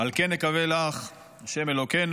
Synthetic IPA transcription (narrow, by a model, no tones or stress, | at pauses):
alkenːekavelaχ | aʃemelo̞ken